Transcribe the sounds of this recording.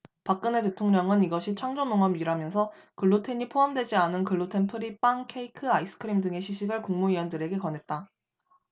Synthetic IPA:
pak̚k͈ɯne̞te̞tʰoŋɲʌŋɯniɡʌɕʰit͡ɕʰaŋd͡ʑomoŋamiɾamjʌnsʰʌ | kɯɭːotʰe̞ɲipʰoɦamdwe̞d͡ʑianɯnkɯɭːotʰe̞npʰɯɾip͈aŋkʰe̞ikʰɯais͈ɯ̥kʰɯɾimdɯŋe̞ɕʰiɕʰiɡɯɭkuŋmuiwʌndɯɾe̞ɡe̞kʌne̞t̚t͈a

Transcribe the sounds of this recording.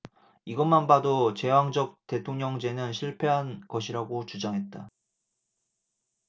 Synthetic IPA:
iɡʌnmanbadot͡ɕe̞waŋd͡ʑʌk̚te̞tʰoŋɲʌŋd͡ʑe̞nɯnɕʰiɭpʰe̞ɦanɡʌɕʰiɾaɡot͡ɕud͡ʑaŋɦe̞t̚t͈a

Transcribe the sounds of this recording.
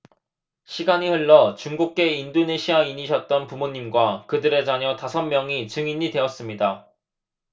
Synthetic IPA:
ɕʰiɡaɲihɯɭːʌt͡ɕuŋɡuk̚k͈e̞indone̞ɕʰiaiɲiɕʰʌt̚t͈ʌnpumoɲːimɡwakɯdɯɾe̞d͡ʑaɲʌtasʰʌmːjʌŋit͡ɕɯŋiɲidwe̞ʌs͈ɯmɲida

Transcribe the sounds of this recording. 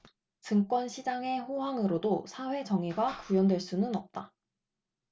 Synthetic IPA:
t͡ɕɯŋk͈wʌnɕʰid͡ʑaŋe̞ɸoɦaŋɯɾodosʰaɸwe̞t͡ɕʌŋiɡakujʌndwe̞ɭs͈unɯnʌp̚t͈a

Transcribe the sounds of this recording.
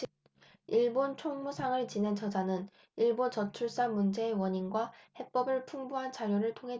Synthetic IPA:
iɭbont͡ɕʰoŋmusʰaŋɯɭt͡ɕinend͡ʑʰʌd͡ʑanɯn | iɭbont͡ɕʌt͡ɕʰuɭs͈amund͡ʑe̞ːwʌɲinɡwahe̞p͈ʌbɯɭpʰuŋbuɦant͡ɕaɾjoɾɯɭtʰoŋɦe̞

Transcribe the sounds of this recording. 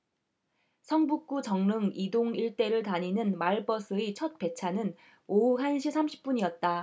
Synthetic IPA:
sʰʌŋbuk̚k͈ut͡ɕʌŋnɯŋidoŋiɭt͈e̞ɾɯɭtaɲinɯnmaɭpʌs͈ʰɯit͡ɕʰʌt̚p͈e̞t͡ɕʰanɯn | ouɦanɕʰisʰamɕʰi̥p̚p͈uɲiʌt̚t͈a

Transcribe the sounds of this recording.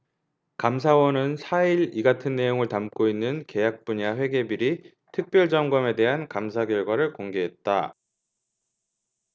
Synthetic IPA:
kams̬ʰawʌnɯnsʰaiɾiɡatʰɯnːe̞joŋɯɭtamk͈oinːɯnke̞jak̚p͈uɲaɸwe̞ɡe̞biɾi | tʰɯk̚p͈jʌɭd͡ʑʌŋɡʌme̞de̞ɦankamsʰaɡjʌɭɡwaɾɯɭkoŋɡe̞ɦe̞t̚t͈a

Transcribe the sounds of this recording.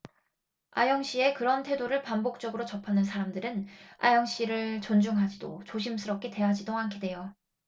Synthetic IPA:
ajʌŋɕ͈ie̞kɯɾʌntʰwe̞doɾɯɭpambok̚t͡ɕ͈ʌɡɯɾot͡ɕʌpʰanɯns̬ʰaɾamdɯɾɯna̰jʌŋɕ͈iɾɯɭt͡ɕʌnd͡ʑuŋɦad͡ʑido̰t͡ɕoɕʰims͈ʰɯɾʌp̚k͈ʰe̞te̞ɦad͡ʑidoankʰide̞jo

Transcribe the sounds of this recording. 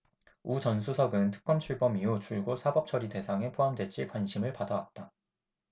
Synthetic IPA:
ut͡ɕʌnsʰusʰʌɡɯntʰɯ̥k̚k͈ʌmt͡ɕʰuɭbʌmiut͡ɕʰuɭɡosʰabʌp̚t͡ɕʰʌɾite̞sʰaŋe̞pʰoɦamdwe̞t͡ɕ͈ʰikwanɕʰimɯɭpadawat̚t͈a

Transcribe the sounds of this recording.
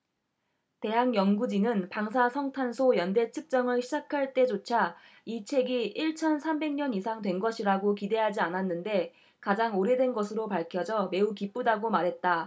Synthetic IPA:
te̞ɦaŋjʌŋɡud͡ʑinɯnpaŋsʰasʰʌŋtʰansʰojʌnde̞t͡ɕʰɯk̚t͡ɕ͈ʌŋɯɭɕʰid͡ʑakʰaɭt͈e̞d͡ʑot͡ɕʰa | it͡ɕʰe̞ɡiʔiɭt͡ɕʰʌnsʰambe̞ŋɲʌnisʰaŋdwe̞nɡʌɕʰiɾaɡokide̞ɦad͡ʑiananːɯnde̞ | kad͡ʑaŋoɾe̞dwe̞nɡʌsʰɯɾopaɭkʰjʌd͡ʑʌme̞ukip͈udaɡomaɾɦe̞t̚t͈a

